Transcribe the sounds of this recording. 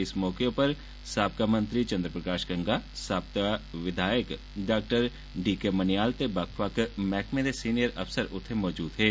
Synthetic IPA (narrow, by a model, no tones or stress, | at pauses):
ɪsmɔːkepəɾ | saːb̚kamə̃nt̪ɾit͡ʃɐ̃nd̪ɾəpɾəkaːʃɡə̃ŋɡasaːb̚kaʋɪd̪ʱaːjək | ɖaːk̚ʈəɾ | ɖiːkemənɪjaːlt̪ebakʰʋaːkmɛːkʰmẽd̪esiːnijəɾɐ̰fsəɾʊt̪ʰːemɔːd͡ʒuːd̪ɦeː